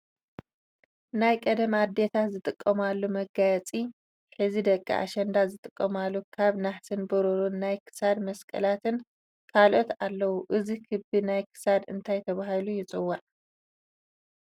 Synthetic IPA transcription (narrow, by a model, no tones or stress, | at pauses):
najkʼɐd̪ɐmad̪ːe̞t̪ʰazɨt̪ʼɨkʼːɐmalːumɐɡajɐt͡sʼi | ħɨzid̪ɐkʼːḭʔa̰ʃɐnd̪azɨt̪ʼɨkʼːɐmalːukʰaβnaħsɨnbɨɾuɾunːajkʰɨ̥sad̪mɐskʼɐ̰lat̪ʰɨn | kʰalʔo̞t̪alːɐwuʔɨzikʰɨbinajkʰɨ̥sad̪ɨ̰nt̪ʰajt̪ʰɐβaɦalujɪt͡sʼɨwːaʔ